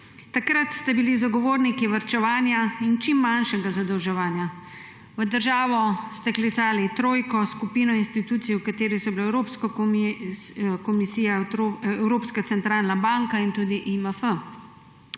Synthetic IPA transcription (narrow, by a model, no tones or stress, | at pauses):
t̪akɾat̪st̪ɛbilizaɡɔʋoːɾnikiʋaɾt͡ʃɛʋaːnjaint͡ʃimːanʃɛɡazad̪əwʒɛʋaːnja | ʋəd̪əɾʒaːʋɔst̪ɛklit̪saːlit̪ɾoːjkɔskupiːnɔinst̪it̪uːt̪sijɛwkat̪eːɾisɔbilaːɛwɾoːpskɔ | kɔmisiːjawɾoːpskat̪sɛnt̪ɾaːlnabaŋkaint̪uːd̪iʔiməfə